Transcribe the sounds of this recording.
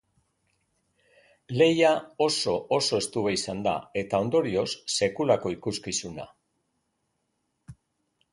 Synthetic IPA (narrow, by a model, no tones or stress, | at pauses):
le̞jao̞so̞o̞so̞e̞st̪uβe̞isand̪a̰e̞t̪ao̞nd̪o̞ɾio̞sːe̞kulako̞ikuskisuna̰